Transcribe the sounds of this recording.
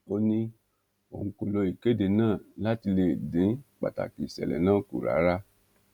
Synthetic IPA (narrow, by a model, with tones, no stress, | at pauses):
o˧nĩ˧ | o̰˨ũ˧ko˨lo˧i˨ke˦de˧˨nãː˦˨la˦ti˧le˧˨dĩ˨˦k͡pa̰˨ta̰˨ki˨sɛ̰˨lɛ̰˨nãː˦˨ku˨ɾa̰˨˦ɾa˦